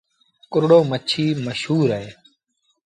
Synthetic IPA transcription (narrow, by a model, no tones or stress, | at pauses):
kʊɾɽoːmət͡ʃʰiːməʃɦuːɾeː